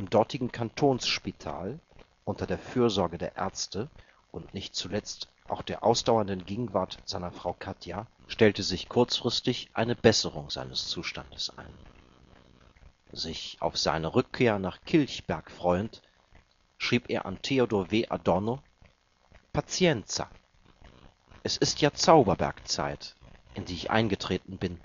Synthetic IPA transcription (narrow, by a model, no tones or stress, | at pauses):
ʔɪmdɔɐtʰɪɡŋ̩kʰantʰoːnsʃpitʰa̰ːl | ʔʊntɐdeːɐfyːɐzɔɐɡədeːɐʔɛ̰ɐt͡stə | ʔʊntnɪçtt͡sulɛt͡st | ʔa̰ʊxd̥eːɐʔa̰ʊsd̥aʊɐndənɡeːɡŋ̩vaɐtz̥aɪnɐfʁ̥aʊkʰatʰjaʃtɛltəzɪçkʰʊɐt͡sfʁ̥ɪstɪçʔa̰ɪnəbɛsəʁ̞ʊŋza̰ɪnəst͡suːʃtandəsʔa̰ɪn | zɪçʔa̰ʊfz̥a̰ɪnəʁʏkʰːeːɐnaːχkʰɪlçb̥ɛɐkfʁ̥ɔʏənt | ʃʁ̥iːpʔḛːɐʔa̰ntʰeːodoːveːʔa̰dɔɐno | pʰat͡sjɛnt͡sa̰ | ʔɛsɪstjaːt͡saʊbɐbɛ̰ɐkt͡sa̰ɪtʔɪndiːɪçʔa̰ɪnɡətʁ̥eːtn̩bɪn